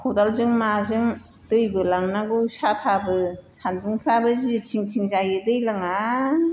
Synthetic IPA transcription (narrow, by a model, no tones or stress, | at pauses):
kʰɔdalzɯŋmazɯŋ | d̥ɯjbɯlaŋnaɡɯwsatʰabɯsanduŋpʰɾabɯzitʰiŋtʰiŋzajɯdɯjlaŋa